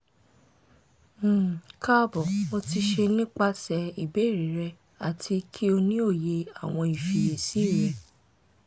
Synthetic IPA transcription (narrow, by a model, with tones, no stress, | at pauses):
ka˦bɔ˨mo˧ti˧ʃe˧nĩ˦k͡pa˧sɛ˨˧i˨be˨˦˨ɾi˨˦ɾɛ˧ | a˨tʰi˧kʰi˦o˧nĩ˦o˦˨je˧a˦˨w̃ɔ̃˧i˨fi˧˨i˨si˨˦˨ɾɛ˨